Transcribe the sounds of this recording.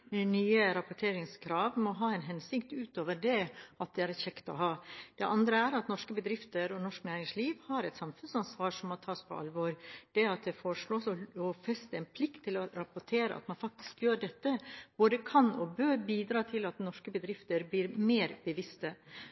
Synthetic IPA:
nyːəɾɑpʊʈʰeːɾɪŋskʰɾɑːʋmɔɦɑːɛnɦɛnsɪkt̪ʉːt̪oːʋəɖɛɑt̪̚d̪ɛæɾɛçɛkt̪ɔ̰ɦɑːd̪̥ɛʔɑnd̪ɾəæɾɑt̪nɔʂkəbəd̪ɾɪft̪əɾɔnɔʂknæːɾɪŋsliːʋhɑːɾɛɪt̪sɑmfʉnsɑnsʋɑːʂɔmːɔt̪ʰɑːspʰɔ̰ʔɑ̰lʋoːɾd̪̥ɛɑt̪̚d̪ɛfɔɾʂɭoːsɔɔfɛst̪əɛɪnpʰlɪkt̪ʰːɪlɔɾɑpʊʈʰeːɾə̰ʔɑ̰t̪mɑnfɑk̚t̪ɪ̥skjøːɖɛt̪ːəb̥oːd̪əkʰɑnɔbøːɾbiːd̪ɾɑːt̪ʰɪlɑt̪nɔʂkəbəd̪ɾɪft̪əɾbliːɾmeːɾbəʋɪst̪ə

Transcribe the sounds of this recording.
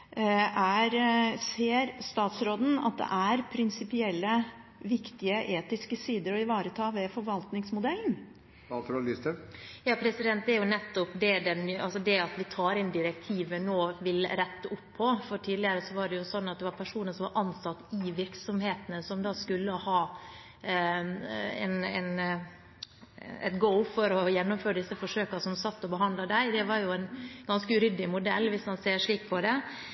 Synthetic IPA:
æɾseːɾst̪ɑːt̪sɾoːd̪n̩ɑ̰t̪̚d̪ɛ̰ʔæɾpʰɾɪnsɪpɪɛlːəʋɪkt̪ɪəʔeːt̪ɪskəsiːd̪əɾɔɪʋɑːɾət̪ʰɑːʋɛfɔɾʋɑlt̪nɪŋsmʊd̪ɛlːn̩ | ɑt̪ʰɾlɪst̪əjɑːpʰɾɛsɪd̪ɛnt̪̚d̪æɾjʊnɛt̪ːɔpd̪ɛɖɛnɑlsɔd̪ɛɑt̪ʋɪt̪ʰɑːɾɛnd̪ɪɾɛk̚t̪ʰiːʋənoːʋɪlɾɛt̪ːəʊpʰːɔfɔɾʈʰiːd̪lɪəɾəsɔʋɑɖɛjʊsɔnːɑt̪̚d̪ɛʋɑɾpʰæʂuːnəəʂɔmʋɑ̰ɾʔɑnsɑt̪ːɪʋɪɾksɔmheːt̪ənəsɔmd̪ɑːskʉlːəhɑː | ɛ̰nɛ̰n | ɛ̰t̪ɡoʊfɔɾɔjɛnːɔmføːɾəɖ̪ɪsːəfɔʂøːkɑsɔmsɑt̪ːɔbəɦɑnd̪lɑd̪æɪd̪ɛʋɑɾjʊænɡɑnskəʉɾʏd̪ːɪmʊd̪ɛlːʋɪsmɑnseːɾʂɭiːk̚pʰɔd̪ɛ

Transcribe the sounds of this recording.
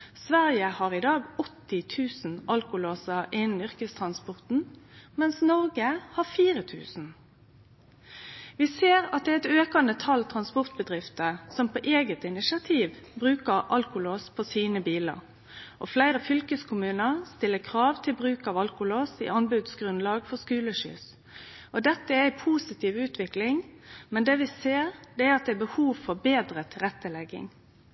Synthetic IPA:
sʋæʁjəhɑʁɪd̪ɑːɡɔt̪ːɪt̪ʰʉːsn̩ʔɑlkʊloːsəʔɪnn̩ʏʁkəst̪ʰʁɑnspɔʁt̪n̩mɛnsnɔʁɡəhɑfiːʁət̪ʰʉ̰ːsn̩ | ʋiseːʁɑt̪̚d̪ɛɛt̪øːkɑnət̪ʰɑlt̪ʰʁɑnspɔʁt̪̚bəd̪ʁɪft̪əsɔmpʰoːʔeːɡət̪ɪnɪsɪɑt̪ʰiːʋbɾʉːkəʁʔɑlkʊloːspʰɔsiːnəbiːlə̰ʁ | ʔɔflæɪɾəfʏlkəskʰʊmʉːnəʁst̪ɪlːəkʰʁɑːʋt̪ʰɪlbʁʉːkɑʋɑlkʊloːsɪ̰ʔɑnbʉd̪sɡʁʉnlɑːɡfɔskʉːləʃʏ̰s | ʔɔd̪ɛt̪ːəæɾæɪpʰuːsɪt̪ʰiːʋʉːt̪ʋɪklɪŋmɛnd̪eːʋɪseːʁd̪ɛæɾɑt̪̚d̪ɛæbəhuːʋfɔʁbeːd̪ɾət̪ʰɪʁɛt̪ːəlɛɡːɪ̰ŋ

